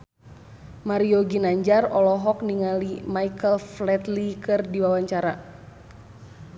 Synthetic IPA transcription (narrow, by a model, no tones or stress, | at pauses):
maɾioɡinaɲd͡ʒarɔlɔɦɔk̚niŋalimaikəlflɛt̪likɨrdiwawaɲt͡ʃaɾa